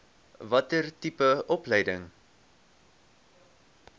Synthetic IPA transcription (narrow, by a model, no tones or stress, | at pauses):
vɐtərtipəɔplɛjdəŋ